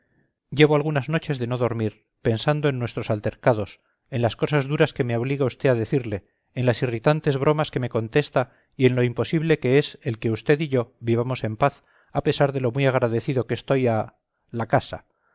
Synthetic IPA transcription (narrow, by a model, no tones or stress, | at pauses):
ɟ͡ʝe̞β̞oalɣ̞unazno̞t͡ʃe̞zðe̞no̞ðo̞ɾmiɾ | pe̞nsand̪oenːwe̞st̪ɾosalt̪e̞ɾkað̞o̞s | e̞nlasko̞sazðuɾaske̞me̞o̞β̞liɣaust̪e̞aðe̞θiɾle̞ː | nlasirit̪ant̪e̞zβɾo̞maske̞me̞ko̞nt̪e̞st̪a | ie̞nlo̞impo̞siβle̞ke̞ese̞lke̞ust̪e̞ðiʝo̞βiβamo̞se̞mpaθ | ape̞saɾðe̞lo̞mwiaɣ̞ɾaðe̞θiðo̞kest̪o̞ja | lakasa̰